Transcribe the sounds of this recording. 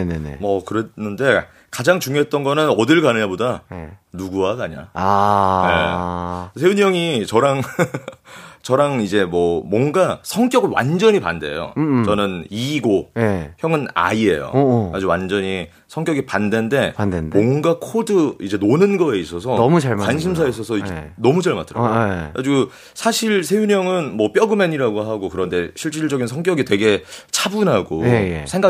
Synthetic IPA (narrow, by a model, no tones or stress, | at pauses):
enenḛmʌkɯɾenːɯnde̞ | kad͡ʑaŋt͡ɕuŋjoɦe̞t̚t͈ʌnɡʌnɯnʌdɯɭɡanɯɲabodanuɡuaɡaɲa̰ajḛ | sʰeuɲʌŋit͡ɕʌɾaŋ | t͡ɕʌɾaŋid͡ʑe̞mʌmwʌnɡasʰʌŋk͈jʌɡɯɭwa̰nd͡ʑʌɲipa̰nde̞̰jo̰t͡ɕʌnɯniɡojeçjʌŋɯna̰ie̞̰jo̰kad͡ʑuwand͡ʑʌɲi | sʰʌŋk͈jʌɡipande̞nde̞andendmwʌŋɡakʰodɯid͡ʑe̞nonɯnɡʌeis͈ʌsʰʌmuakwanɕʰims̬ʰais̬͈ʌsʰʌnʌmud͡ʑaɭma̰t͈ʰɯɾa̰kad͡ʑiɡo | sʰaɕʰiɭsʰe̞juɲʌŋɯnmʌp͈jʌɡɯme̞ɲiɾaɡoɦaɡokɯɾʌnde̞ɕʰiɭt͡ɕ͈iɭd͡ʑʌɡinsʰʌŋk͈jʌɡitwe̞ɡe̞t͡ɕʰabunɦaɡojjsʰe̞ŋɡa